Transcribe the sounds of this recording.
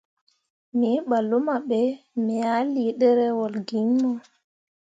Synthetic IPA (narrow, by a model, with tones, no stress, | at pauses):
mi˨˦ɓa˨lu˦ma˨ɓɛ˨mɛ˨ja˦li˨ɗɛ˦ɾɛ˦wɔ˨lɡi˨ŋmɔ˦